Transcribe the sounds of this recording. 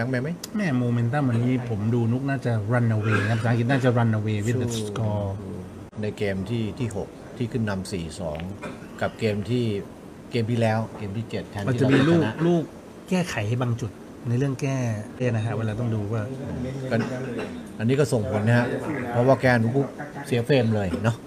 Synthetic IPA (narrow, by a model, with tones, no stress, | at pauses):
a˦˥ŋmɛː˧˩ma˦˥j | mɛː˥˩moː˧me˧nt̪a˥˩mwa˧nːiː˦˥pʰo˩˦mduː˧nu˦˥k̚naː˥˩t͡ɕa˨˩ɾa˧nʔa˧weː˧˥kʰa˥sʰa˨˦kʰi˧˩t̪̚naː˥˩t͡ɕa˨˩ɾa˧nʔa˧weː˧wi˦˥˩e˨˧˩skɔː˧ | na˧jkeː˧mt̪ʰiː˥˩t̪ʰiː˥˩ɦo˨˩k̚t̪ʰiː˥˩kʰɯ˥˩nːa˧msiː˨˩sɔː˩˦ŋ | ka˨˩p̚keː˧mt̪ʰiː˥˩ | keː˧mt̪ʰiː˥˩lɛː˦˥wkeː˧mt̪ʰiː˥˩t͡ɕe˨˩t̪̚ʰːɛː˧nma˧˥t͡ɕa˨˧˨miː˧luː˧˥˩luː˥˩k̚ː | ɛː˥˩kʰa˩˦jhbaː˧ŋt͡ɕu˨˩t̪̚ | na˧jɾɯ˥˩əŋkɛː˥˩pʰeː˥˩na˦˥kʰa˦˥ʔweː˧˥˩laː˧t̪ɔ˥˩ŋduː˧waː˥˩ɯː˧˩kɔ˥˩ | ʔa˧nːiː˦˥kɔ˥˩so˨˩ŋpʰo˨˩˦nhɛ˦˥pʰɔ˦˥waː˥˩kɛː˥˩˨nu˦˥kʰu˦˥˩k̚si˨˩˦feː˧mlɤː˧jnɔ˦˥